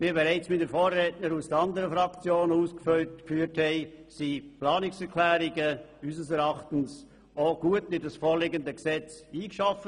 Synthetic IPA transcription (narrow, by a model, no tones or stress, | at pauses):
miːbeɾaɪt͡smɪtdəfoːrːɛːtnəɾusd̥əɾɑndəɾəfɾɑkt͡sjoːnuːskfølkfyːthɛɪsiplɑːnɪksɛɾkʰlɛːɾiɡəysəsɛɾɑχtn̩s | oɡ̥uətnɪtdɑsfoːɾlɪɡəndəksɛt͡siːkʃafə